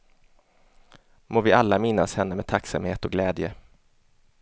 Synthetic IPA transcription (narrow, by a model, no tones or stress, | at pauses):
moːvɪalːamɪnːashɛnːəmɛt̪ʰaksa̰mheːt̪ɔɡlɛːd̪jə̰